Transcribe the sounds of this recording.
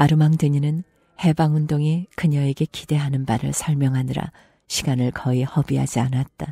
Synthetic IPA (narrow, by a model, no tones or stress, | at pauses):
aɾɯmaŋdɯɲinɯn | he̞baŋundoŋe̞kɯɲʌe̞ɡe̞kide̞ɦanɯnbaɾɯ̰ɭsʰʌɭmjʌŋɦaniɾa̰ | ɕʰiɡ̥anɯɭkʰʌihʌbiɦad͡ʑianat̚t͈a